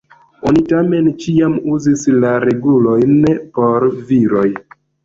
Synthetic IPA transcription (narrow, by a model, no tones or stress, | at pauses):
o̞nitame̞nt͡ʃiamuzislaɾe̞ɡulo̞jnpo̞ɾviɾo̞j